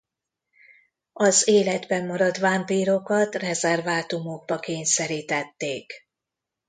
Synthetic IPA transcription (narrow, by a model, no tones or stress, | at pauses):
ɒzeːlɛd̪bɛmːɒɾɒt̪ʋampiːɾo̞kɒt̪rɛzɛrvaːt̪umo̞ɡ̚bɒkeːɲsɛɾiːt̪ɛt̪ːeːk